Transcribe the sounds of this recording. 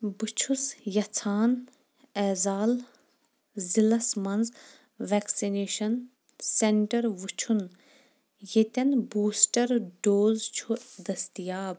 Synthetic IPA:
but͡ʃʰusjɐt͡sʰaːn | ɛːzaːl | zilɐsmɐnz | ʋɛːksineːʃɐn | seɳʈɐɾʋut͡ʃʰun | jet̪ɐnbuːsʈɐɾɖoːzt͡ʃʰud̪ɐst̪ijaːb̚

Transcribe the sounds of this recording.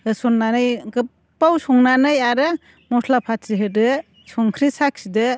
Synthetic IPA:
ɯsɔnːanɯjɡɯp | pːawsɔŋnanɯjaɾɯ | mɔslapʰatsiɦɯdɯ | sɔŋkʰɾisak̚sidɯ

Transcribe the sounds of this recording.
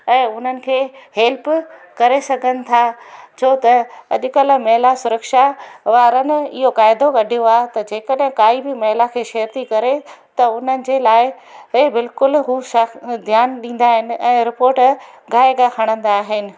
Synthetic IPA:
ɛ̃ːʊn̤ənɪ̆kʰeːheːlpkɐɾesɐɡʱə̃nɪ̆t̪ʰat͡ɕʰoːt̪ɐɐ̰ʄʊ̆kəlmɐɦlasʊɾəkʃaʋaːɾənɪ̆ɪ̰ɦokaːɪd̪oɡɐɖʱijoaːɦt̪ɐd͡ʑeːkɐɗɦɪ̃kaːibɪmɐɦlakʰeːʃɐːəɾt̪ikɐɾet̪ɐʊn̤ənɪ̆d͡ʑeːlaːɪ | ebɪlkʊlɦuːʃɐd̪ʱjaːnɗĩːn̆d̪aːɦɪnɪ̆ɛ̃ːɾɪpoːɾʈ | ɡaːɪɡaxɐɽ̃ə̃nd̪aːɦɪnɪ̆

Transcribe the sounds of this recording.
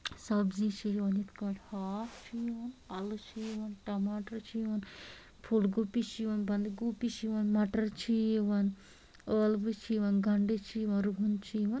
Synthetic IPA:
sɐbzit͡ʃʰijʋɐnit̪kɐʈhaːft͡ʃʰijʋɐnɐlt͡ʃʰijʋɐnʈɐmaːʈɐɾt͡ʃʰijʋɐn | pʰulɡuːpit͡ʃʰiʋɐnbɐnd̪ɡuːpit͡ʃiʋɐnmɐʈɐɾt͡ʃʰijʋɐn | əːlʋɨt͡ʃʰiːʋɐnɡɐɳɖet͡ʃʰijʋɐnɾuɦunt͡ʃʰijʋɐn

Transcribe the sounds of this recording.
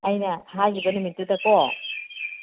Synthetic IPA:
ɐjnɐhajibɐnumit̚ːudɐko

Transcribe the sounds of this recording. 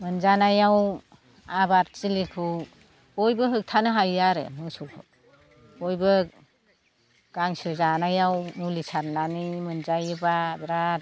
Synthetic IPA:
mɯnzanajaw | abaɾt͡ʃilikʰɯ | ɔjbɯɦɯk̚tʰanɯɦajaɾɯ̰mɯŋsɔkʰɯ̰ | ɔjbɯ | ɡ̥aŋsɯzanajawmulisaɾnanimɯnzajɯbabɾat

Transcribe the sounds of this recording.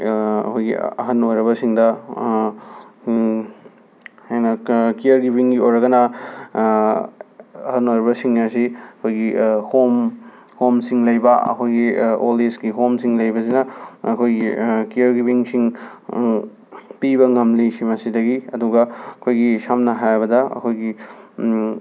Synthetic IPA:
ɐ̰kʰojɡḭɐ̰ɦɐnojɾɐβɐsiŋdɐ | hajnɐkiɐɾɡibiŋɡiojɾɐɡɐnɐ | ɐhɐnojɾɐbɐsiŋɐsiɐkʰojɡihom | homsiŋlɐjbɐɐ̰kʰojɡiolisɡiɦomsiŋlɐjbɐs̬inɐːkʰojɡḭkiɐɾɡibiŋsiŋ | pibɐŋɐmlisimɐsidɐɡiɐduɡɐɐkʰojɡisamnɐɦajbɐdɐɐ̰kʰojɡi

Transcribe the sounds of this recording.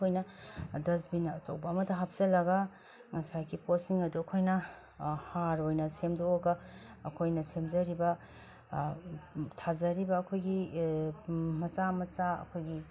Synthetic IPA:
ojnɐdɐzbinɐːt͡ʃɐ̰wbɐːmɐt̪ʰɐɦɐp̚ʰz̥ɐlɐɡɐ | ŋɐsajɡiposiŋɐduɐkʰojnɐ | haɾojnɐsemdooɡɐː | kʰojnɐsemzɐɾibɐ | tʰazɐɾibɐːkʰojɡi | mɐt͡ʃamɐt͡ʃaɐ̰kʰojɡi

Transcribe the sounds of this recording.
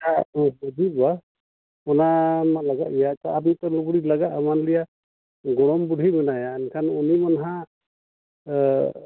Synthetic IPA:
abɔd͡ʒiba | ɔnamalaɡaʔɛjataap̬nit̪ɔluɡɽilaɡaʔmanlija | ɡɔɽ̃ɔmbuɽʱimɛnajaɛnkʰanunimanaɦã

